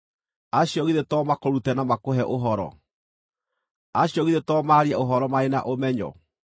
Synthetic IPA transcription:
aɕjɔɣiðetɔːmakoɾutɛnamakoɦɛʔoɦɔɾɔ̰ | aɕjɔɣiðetɔmaɾiɛoɦɔɾɔmaena̰ʔomɛɲɔ̰

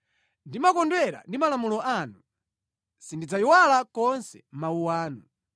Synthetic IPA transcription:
ndimakɔndwɛɾa̰ndimalamulɔʔanu | sindid͡zaiwalakɔnsɛ̰mauwaːnu

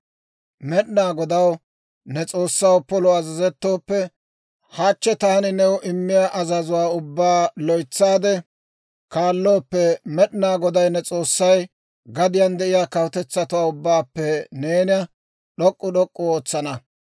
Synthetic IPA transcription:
mɛɗnaːɡɔd̪ɐw | nɛt͡sʼo̞ːsːɐwpɔlɔɐzɐzɛt̪ːo̞ːpːɛ | haːt͡ʃːɛt̪aːnɪnɛwʔɪmːɪjaʔɐzɐzʊwaːʊbːaːlɔjt͡sːaːd̪ɛ | kaːlːo̞ːpːɛmɛɗnaːɡɔd̪ɐjnɛt͡sʼo̞ːsːɐj | ɡɐd̪ɪjand̪ɛʔɪjaːkɐwʊt̪ɛt͡sːɐt̪ʊwaːʊbːaːpːɛneːnɪjɐ | ɗɔkʼːʊɗɔkʼːʊoːt͡sːɐnɐ

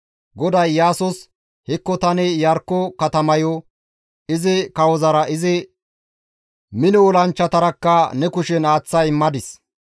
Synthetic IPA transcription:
ɡɔd̪ɐjːaːsɔs | hɪkːɔt̪ɐnɛjɐɾkːɔkɐt̪ɐmɐjɔ | ɪzɪkɐwɔzɐɾɐʔɪzɪ | mɪnɔwɔlɐnt͡ʃːɐt̪ɐɾɐkːɐnɛkʊʃɛnaːt͡sːɐjmːɐd̪ɪs

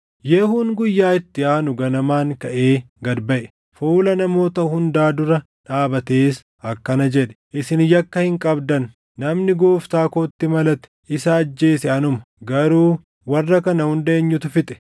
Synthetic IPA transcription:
jehʊŋɡʊjːaːɪt̪ːɪaːnʊɡɐnɐmaːŋkɐʔeː | ɡɐd̪bɐʔɛ̥ | fuːlɐnɐmo̞ːt̪ɐhʊnd̪aːd̪ʊɾɐ | ᶑaːbɐt̪eːs | ɐkːɐnɐd͡ʒɛᶑɛ̥ʔɪsɪnjɐkːɐhɪŋkʼɐbd̪ɐnː | ɐmnɪɡoːft̪aːkoːt̪ːɪmɐlɐt̪ɛ̥ɪsɐːd͡ʒːe̞ːsɛɐnʊmɐ | ɡɐɾuː | wɐrːɐkɐnɐhʊnd̪ɐeːɲːʊt̪ʊfɪt̪ʼɛ̥

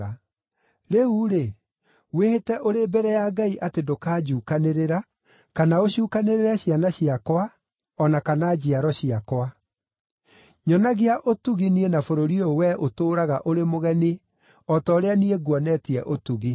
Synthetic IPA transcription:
a | ɾeuɾe | wehetɛʔoɾebɛɾɛjaɡaiʔatedokaːd͡ʑuːkaneɾeɾa | kanaoɕuːkaneɾeɾɛɕianaɕiakwa | ɔnakanad͡ʑiaɾɔɕiakwa | ɲɔnaɣiaʔotuɣinienafoɾoɾiowɛʔotoːɾaɣaʔoɾemoɣɛni | ɔtɔoɾeanieɡwɔnɛtiɛʔotuɣi

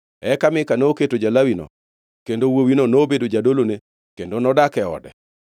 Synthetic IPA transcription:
ɛkamɪkanoːketod͡ʒalawinɔ̰ | kendowowinonoːbedod͡ʒadolone | kendonɔdakɛɔ̰dɛ̰

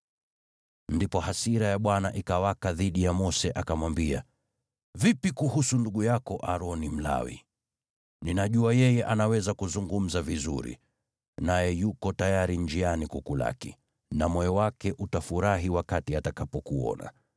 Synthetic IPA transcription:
ndipɔɦasiɾajaɓwanaʔikawakaðiɗijamɔsɛʔakamwambia | vipikuhusunduɠujakɔʔaɾɔnim̩la̰wḭ | ninaʄuajɛjɛʔanawɛzakuzuŋɡum̩zavizṵɾḭ | najɛjukɔtajaɾind͡ʒianikukula̰kḭ | namɔɔwakɛʔutafuɾaɦiwakatiatakapɔkuɔ̰na̰

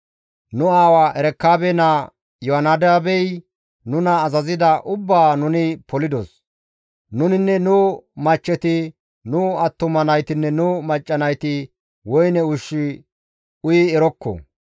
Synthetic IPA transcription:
nʊaːwaʔɛɾɛkːaːbɛna | jɔɐnad̪ɛabɛj | nʊnɐːzɐzɪd̪ɐʔʊbːaːnʊnɪpɔlɪd̪ɔs | nʊnɪnːɛnʊmɐt͡ʃːɛt̪ɪ | nʊɐt̪ːʊmɐnɐjt̪ɪnːɛnʊmɐt͡ʃʼːɐnɐjt̪ɪ | wɔjnɛʊʃːɪ | ʊjɪɛɾɔkːɔ̰

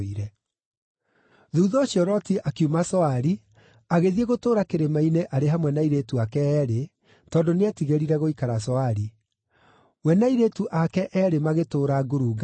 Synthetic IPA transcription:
iɾɛ | ðuːðɔɕiɔɾɔtiʔakjumasɔaɾi | aɣeðieɣotoːɾakeɾemaineʔaɾeɦamwɛnaiɾetuakɛːɾe | tɔːndoneatiɣeɾiɾɛɣoikaɾasɔaɾi | wɛnaiɾetuʔakɛʔɛɾemaɣetoːɾaɡoɾuːɡa

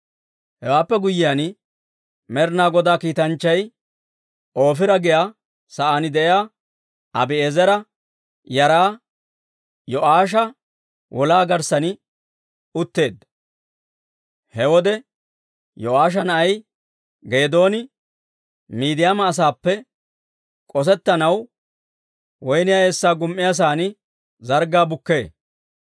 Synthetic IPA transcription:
hɛwaːpːɛɡʊjɪjaːn | mɛɾnaːɡɔd̪aːkiːt̪ɐnt͡ʃːɐj | ʔo̞ːfɪɾɐɡɪjaː | sɐʔaːnɪd̪ɛjjaː | ɐbɪezɛɾɐ | jɐɾaː | jɔʔaːʃ̬ɐ | wʔɔlaːɡɐɾsɐnɪ | ʊt̪ːe̞ːd̪ | hɛwɔd̪ɛ | jɔʔaːʃ̬ɐnɐɐj | ɡe̞ːd̪o̞ːnɪ | miːd̪ɪjamɐːs̬aːpːɛ | kʼɔs̬ɛt̪ːɐnɐw | wɔjnɪjaeːsːaːɡʊmʔːɪjas̬aːnɪ | zɐɾɡaːbʊkːe̞ː

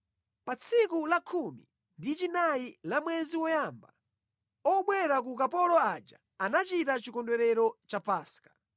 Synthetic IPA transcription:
pat͡sʰikulakʰumḭ | ndit͡ʃinailamwɛziwɔjamba̰ | ɔɓwɛɾak̬uk̬apɔlɔad͡ʒa̰ | anat͡ʃitat͡ʃikɔndwɛɾɛɾɔt͡ʃapaːskḁ

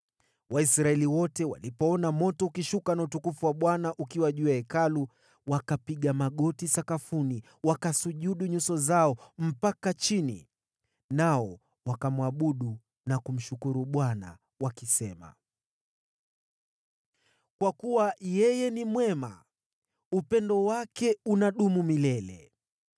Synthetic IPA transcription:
waisɾaɛliwɔtɛwa̰lipɔɔnamɔtɔukiʃukanautukufuwaɓwanaʔukiwaʄuaɛkalu | wakapiɠamaɠɔtisakafuni | wakasuʄuɗuɲusɔzaɔm̩pakat͡ʃinḭ | naɔ | wakamwaɓuɗu | nakum̩ʃukuɾuɓwana̰ | wakisɛma̰ | kwakuwajɛjɛnimwɛma̰ | upɛndɔwakɛunaɗumumilɛlɛ̰

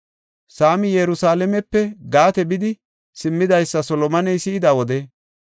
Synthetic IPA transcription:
saːmɪjɛɾʊsaːlɛmɛpːɛɡaːt̪ɛbɪd̪ɪ | sɪmːɪd̪ɐjsːɐsɔlɔmɐnɛjsɪɪd̪awɔd̪ɛ

